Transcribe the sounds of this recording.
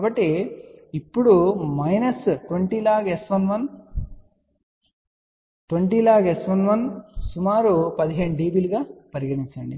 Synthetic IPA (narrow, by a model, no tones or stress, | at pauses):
kabɐʈːiipːuɽumɐjnɐsʈʋɐɳʈiːlaːɡesʋɐnʋɐn | ʈʋɐɳʈiːlaːɡesʋɐnʋɐnsumaːɾupɐd̪iɦe̞ːɳuɖiːbiːluɡaːpɐɾiɡɐʈiɲt͡ʃɐɳɖi